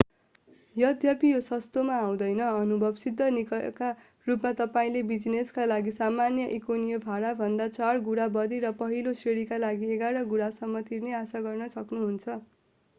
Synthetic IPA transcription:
jʌd̪ʱjʌpijosʌst̪omaːw̃d̪ʌjnʌʌnubʱʌbsid̪ʱːʌnikʌ̰ka | rupmat̪ʌpaĩlebid͡zneskalaɡisamanjʌʔikonijʌbʱaɽabʱʌnd̪at͡sarɡuɽabʌd̪iɾʌpʌɦilosreɽikalaɡieɡaɽʌɡuɽasʌmːʌt̪irneasaɡʌrnʌsʌknuɦunt͡sʰʌ

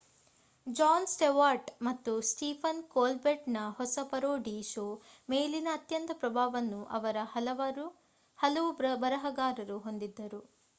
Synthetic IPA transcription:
d͡ʒaːnsʈeʋaːɾʈmɐt̪ːusʈiːpʰɐnkoːlbeʈnɐhɔsɐpɐɾoːɖiʃoːmeːlinɐːt̪jɐnt̪ɐpɾɐbʱaːʋɐnːuʔɐ̰ʋɐɾɐhɐlɐ | hɐlɐʋubɐɾɐɦɐɡaːɾɐɾuɦo̞nd̪id̪ːɐɾu

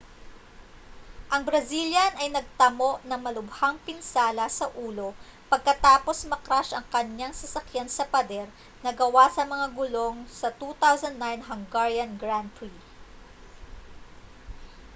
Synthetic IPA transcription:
ʔɐŋbɾɐziljɐnɐjnɐɡ̚t̪ɐmo̞ʔnɐŋmɐlʊbhaŋpɪnsaːlɐsɐʔuːlo̞ | pɐɡ̚kɐt̪aːpo̞smɐkɾaʃɐŋkɐɲaŋsɐsɐkjansɐpɐd̪ɛɾ | nɐɡɐwasɐmɐŋaɡʊlo̞ŋsɐt̪ut̪awzɐnd̪najnɦɐŋɡaɹjɐnɡɾant̪ɾi

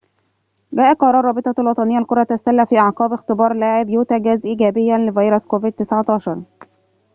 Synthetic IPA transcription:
ɡæːʔælqɑɾˤɑːrˤɑːbɪt̪ˤɑlwɑt̪ˤɑnɪjːalkʊɾˤɑt̪asælːæfiːʔɑʕqɑːbɪxt̪ɪbɑːɾˤlaːʕɪbjuːt̪æɡæzʔiːɡæːbɪjːænlɪvɑjɾoskovɪd̪̚t̪ɪsʕɑt̪ɑːʃɑɾˤ

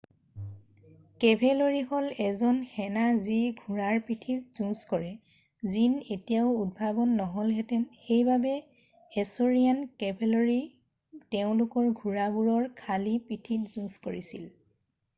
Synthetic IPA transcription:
kɛbʱɛloɹihɔlɛzɔnxɛnaziɡʱuɹaɹpitʰitz̥ũskɔɹɛ | zinetijaʊud̚bʱabɔnːɔɦɔlɦɛtɛnxejbabɛː | soɹijankɛbʱeloɹi | tɛʊ̃lʊkɔɹɡʱuɹaɡuɹɔɹkʰalipitʰitzũskoɹisil

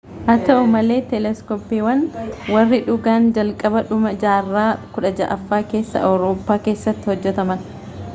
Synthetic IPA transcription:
ʔɐt̪ɐʊmɐle̞ːt̪ɛlɛskoːpːiːwɐnwɐrːɪᶑʊɡaːnd͡ʒɐlkʼɐbɐᶑʊmɐd͡ʒaːrːaːkʊᶑɐd͡ʒɐ̰ʔɐfːaːke̞ːsːɐ̰ʔɐwɾo̞ːpːaːke̞ːsːɐt̪ːɪ̥hɔd͡ʒːɛt̪ɐmɐn

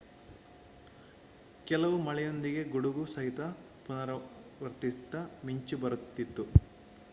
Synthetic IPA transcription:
kɛlɐʋumɐɭɛjo̞nd̪iɡe̞ɡuɽuɡusɐɦit̪ɐ | punɐɾɐʋɐɾt̪ist̪ɐmiɲt͡ʃubɐɾut̪ːit̪ːu

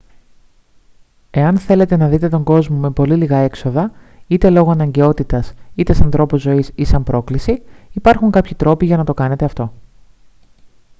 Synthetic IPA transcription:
e̞ɐnθe̞le̞t̪e̞nɐðit̪e̞t̪o̞ŋɡo̞zmo̞me̞po̞liliɣɐe̞kso̞ðɐ | it̪e̞lo̞ɣoɐnɐɲɟe̞o̞t̪it̪ɐsit̪e̞sɐnθɾo̞puzːo̞isisɐmpɾo̞klisiipɐɾxuŋkɐpçit̪ɾo̞piʝɐnɐt̪o̞kɐne̞t̪e̞ɐft̪o̞

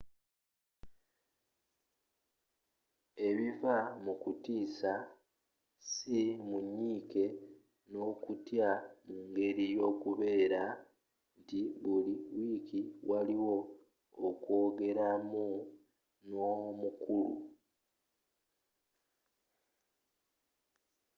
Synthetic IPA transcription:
e̞βivamukutiːsa | simuɲːiːke̞ | no̞ːkutjamuːŋɡe̞ɾijo̞ːkuβe̞ːɾa | ntiβuliwiːkiwʔaliwo̞ː | kwo̞ːɡe̞ɾamu | nomukulṵ

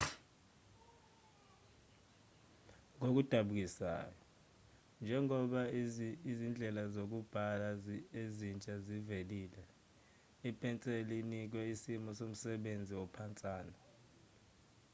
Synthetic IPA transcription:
ŋok̬ud̥ʱaɓuk̬isa̰ːjɔ | nd͡ʒʱɛŋɔɓaizind͡ɮʱɛlazok̬ub̥ʱalaezint͡ʃʼaziveliːlɛ | ipʰʼɛnt͡sʼelinik̬wɛisimɔsom̩sɛɓend͡zʱiwɔpʰant͡sʼaːna

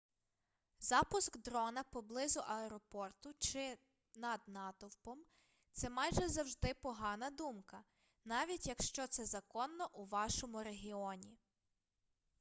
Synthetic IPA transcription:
zɑpʊskd̪ɾɔnɐpɔblˠɪzʊʔɐɛɾɔpɔrt̪ʊt͡ʃɪ | nɐd̪nɑt̪ɔwpɔm | t̪sɛmɑjʒɛzɐwʒd̪ɪpɔɦɑnɐd̪umkɐ | nɑʋʲitʲjɐkʃt͡ʃɔt̪sɛzɐkɔnːɔʔuʋɑʃɔmʊɾeɦʲiɔnʲi

